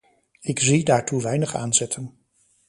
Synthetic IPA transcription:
ɪkzidaːɹtuʋɛjnəχa̰ːnzɛtʰən

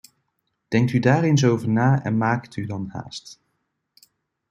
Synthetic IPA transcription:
d̥ɛŋk̚tydaːrɪns̬owvəɹnaːɛ̰nmaːktydɑnha̰ːst

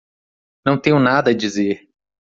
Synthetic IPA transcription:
nɐ̃w̃t̪ẽɲʊnad̪ɐd͡ʒizeɾ

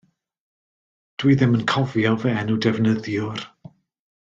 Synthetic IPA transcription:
d̥wiðɪmənkʰɔvjɔvɛɛnudɛvnəðjʊr

